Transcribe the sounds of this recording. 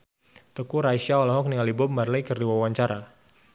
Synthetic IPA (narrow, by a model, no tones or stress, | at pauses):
t̪əkuɾaiʃaɔlaɦɔk̚niŋalibɔmarlɛjkərduwawaɲt͡ʃaɾa